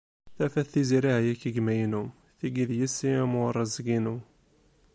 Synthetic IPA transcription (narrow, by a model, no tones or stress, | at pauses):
θæfæθθiziɾihjækːəɡmæjnum | θiɡiðjisːiæmorˤːɑzɡinu